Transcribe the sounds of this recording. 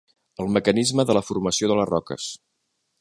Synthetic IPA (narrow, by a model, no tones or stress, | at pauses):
əlˠməkənizməðələfurməsioðələzrɔkə̰s